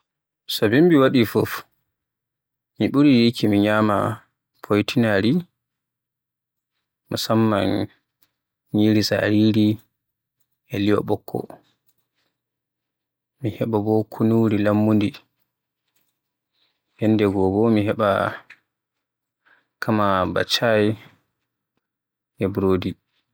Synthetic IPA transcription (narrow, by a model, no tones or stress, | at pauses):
sɔbimbiwaɗifɔf | miɓuɾijikʰimiɲaːma̰ | pʰojtʰinaɾi | musamːan | ɲiɾisa̰ɾiɾi | ɛlijɔ̰ɓɔkʰːɔ̰ | mihɛɓabɔkʰunuɾilamːundi | hɛnːdɛɡɔbɔmiɦɛɓa̰ | kʰamaba̰t͡ʃːaji | ɛbɾoːdi